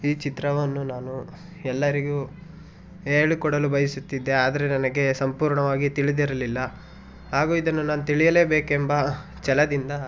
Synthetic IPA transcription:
iːt͡ʃit̪ɾɐʋɐnːunaːnu | ɛlːɐɾiɡu | eːɭikɔɽɐlubɐjisut̪ːid̪ːe̞aːd̪ɐɾenɐnɐɡe̞sɐmpuːɾɳɐʋaːɡit̪iɭid̪iɾɐlilːɐ | ɦaːɡuːid̪ɐnːunaːnut̪iɭijɐle̞ːbe̞ːkembɐ | t͡ʃɛlɐd̪ind̪ɐ

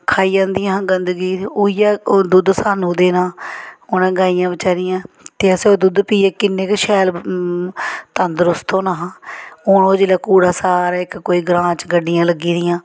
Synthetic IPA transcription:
kʰaːiːd͡ʒãːnd̪ɪijãːɦãːɡənd̪ɡiːuːijaːd̪ʊd̪saːnũːd̪eːnãːoːnɛ̃ːɡaːijãːbət͡ʃaːɾɪjãː | t̪eːəsẽoːd̪ʊd̪piːɛːkɪnːeːkʃɛːl | t̪ənd̪ɾʊst̪ʰõːnaːɦãːoːnoːd͡ʒiːlaːkuːɽaːsaːɾːɪkkoːiːɡɾãːt͡ʃɡəɖːɪjãːləɡiːd̪ɪjãː

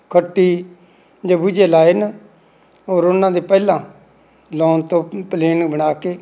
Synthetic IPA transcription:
kʰəʈːiː | d͡ʒãːbud͡ʒeːlaːɪn | oːɾʊnãːd̪eːpɛːlãː | lɔːnt̪õːpleːnũːbəɽ̃aːkeː

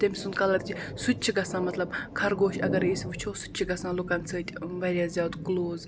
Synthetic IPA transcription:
d̪̥emʲisunt̪kɐlɐt̪̚kʰʲisut̪̚ʲt͡ʃʰiɡɐsãːmɐt̪lɐbkʰɐɾɡoːʃɐɡɐɾisʋɨt͡ʃʰoːsu̥t̪̚ʲt͡ʃʰiɡɐsãːlukɐnt͡sʰəːt̪ʲʋɐɾʲjaːzʲjaːt̪ɡloːz

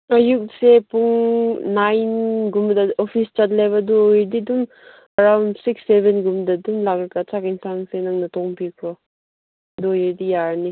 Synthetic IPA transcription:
ɐjuk̚sepuŋːajnɡumdɐopʰist͡ʃat̚lejbɐdɔjiɾdidum | ɐɾawndsiksːebenɡumdɐdumlakɾkat͡ʃʰakinsaŋsenaŋnɐtɔŋpikʰɾɔ | dɔjiɾdijaɾni

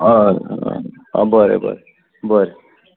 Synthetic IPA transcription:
ʌɾ̰ | ʌ̰bʌɾḛbʌ̰ɾe | bʌɾe

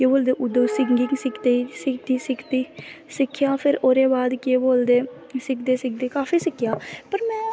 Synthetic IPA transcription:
keːboːld̪eːʔʊd̪oːsɪŋɡɪŋɡsɪkʰt̪eːisɪk̚t̪iːsɪkʰt̪iːsɪkʰːjaːpʰɪɾoːɾeːbaːd̪keːboːld̪eː | sɪkd̪eːsɪk̚d̪eːkaːfiːsɪkʰːjaːpəɾmɛ̃ː

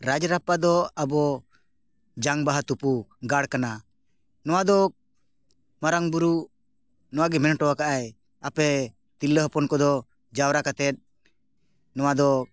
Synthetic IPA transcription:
ɾad͡ʒɾapad̪ɔabɔ | d͡ʒaŋbaɦat̪upuɡaɽkana | nɔwad̪ɔ | maɾaŋbuɾu | nɔwaɡɛmɛnʈɔwakaʔaj | apɛ | t̪ilːəɦɔpɔnkɔd̪ɔ | d͡ʒawɾakat̪ɛt̪̚ˀ | nɔwad̪ɔ

